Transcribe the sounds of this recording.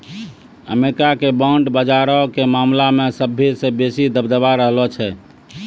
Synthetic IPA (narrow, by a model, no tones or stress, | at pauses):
ə̰meɾikakebaɳɖbəd͡ʒaɾɔkemamlamesəbʱesẽbesid̪əbd̪əbaɾəɦlɔt͡ʃʰɛ